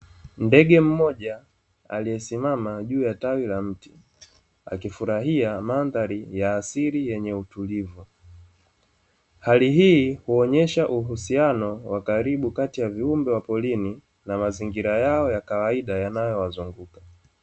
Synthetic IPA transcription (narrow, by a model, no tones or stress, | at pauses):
ndɛɠɛm̩mɔʄa | a̰liɛsimamaʄuːjatawilam̩ti | a̰kifuɾaɦiamanðaɾijaːsiɾijɛɲɛutulivu | haliɦiːhuɔɲɛʃaʔuɦusianɔwakaɾiɓukatijaviumbɛwapɔlini | namaziŋɡiɾajaɔjakawaiɗajanajɔwazuŋɡukḁ